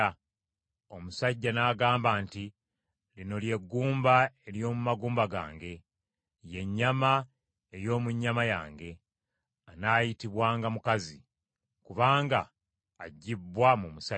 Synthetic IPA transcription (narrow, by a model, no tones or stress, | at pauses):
o̞musaɟːanaːɡaːmbaːnti | lino̞lje̞ɡːuːmbae̞ljo̞ːmumaɡuːmbaɡa̰ːŋɡe̞ | je̞ɲːama | e̞jo̞ːmuɲːamaja̰ːŋɡe̞ | anaːjitiβwaːŋɡamukazi | kuβaːŋɡaː | ɟːibːwamumusa